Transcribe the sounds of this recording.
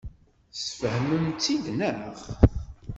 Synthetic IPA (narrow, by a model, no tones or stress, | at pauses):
sfəhməmt͡sːiðnəʁ